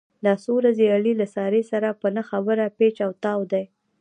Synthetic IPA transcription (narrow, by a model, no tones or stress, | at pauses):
d̪ɑsoɾazeaɽilasɑɾesaɾapənaxabəɾapet͡ʃawt̪ɑwd̪aj